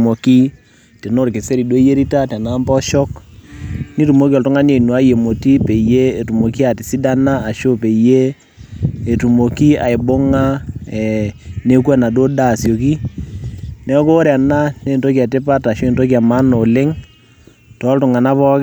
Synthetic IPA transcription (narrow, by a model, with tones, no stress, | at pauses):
mo˨ki˦ | te˨no˦ɾkɪ˨se˦ɾi˨do˦je˦ɾi˦ta˦tɛ˨na˦mpɔ˦ʃɔ˦k | ni˦tu˨mo˦ki˦ɔ˨ltʊ˦ŋa˦ne˨nwa˦je˨mo˨ti˦pe˨je˦e˨tu˨mo˨ki˦a˨ti˨si˦da˦na˦a˨ʃo˦pe˨jeː˦˨ | tu˨mo˨ki˦a̰˨ɪ˨bo˦ŋa˦ɛ˨ne˦kɛ˦na˨do˦da˦˨sjo˨ki˦ | nɛ˦ko˦ɾɛ˨na˦ne˦˨nto˦ki˦a˨te˦pa˦ta˨ʃo˦e˨nto˦k̬i˦a˨ma˦no˨lɪ˦ŋ | tɔ˨˦ltʊ˨ŋa˨na˦pɔ˦k